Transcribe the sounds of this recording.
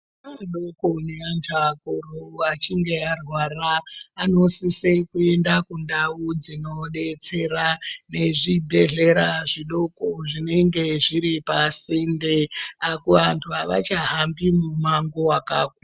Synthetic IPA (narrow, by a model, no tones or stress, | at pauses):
aɗokoneantʰakorouat͡ʃiŋɡe̞arwaraːno̞sisekue̞ndakundaud͡zino̞ɗe̞t͡se̞ɾane̞ʐibʱe̞ɮe̞ɾaʐiɗo̞koʐine̞ŋɡe̞ʐiɾipasindeakuʋantʰuaʋa̰t͡ʃaɦambimumaŋɡowakaːk̚a